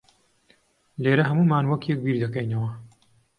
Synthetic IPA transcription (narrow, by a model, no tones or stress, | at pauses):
leːɾɐɦɐmuːmaːnwɐkjek̚biːɾd̪ɐkɛjnɐwɐ